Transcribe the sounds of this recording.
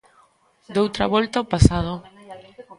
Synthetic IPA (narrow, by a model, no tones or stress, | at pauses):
d̪owt̪ɾa̰βɔlt̪aopasaðo